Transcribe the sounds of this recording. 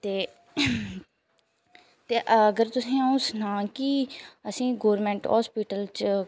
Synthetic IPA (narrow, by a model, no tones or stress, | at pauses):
t̪eː | t̪eːʔəəɡəɾt̪ʊsĩːaːũːsnãːkiəsĩːɡoːɾmẽːɳʈɦɔ̰ːspiːʈəlt͡ʃ